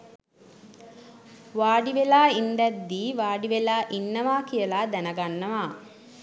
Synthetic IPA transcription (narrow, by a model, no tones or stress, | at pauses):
ʋaːɖiʋelaːind̪ɛd̪ːiːʋaːɖiʋelaːʔinːɐʋaːkijəlaːd̪ænəɡanːəʋaː